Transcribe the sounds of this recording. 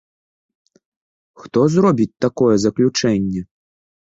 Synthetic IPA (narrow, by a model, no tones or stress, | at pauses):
xt̪ɔzrɔbʲit͡sʲt̪akɔjɛzɐklʲut͡ʂɛnʲːɛ